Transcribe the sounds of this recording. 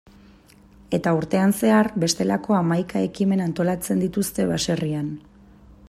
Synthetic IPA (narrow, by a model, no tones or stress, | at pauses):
e̞t̪auɾt̪e̞anse̞arbe̞st̪e̞lako̞amajkae̞kime̞nant̪o̞lat͡se̞nd̪it̪ust̪e̞βase̞rian